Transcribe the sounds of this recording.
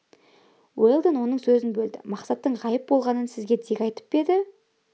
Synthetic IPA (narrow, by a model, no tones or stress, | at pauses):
welˠd̪ənwo̞nəɴsɵzɪnbɵld̪ɪ̰mɑqsɑt̪ːəɴʁɑjəp̚bo̞lˠʁɑnənsɪzɡʲe̞d̪ʰekʲɑjt̪ə̥p̚be̞d̪ɪ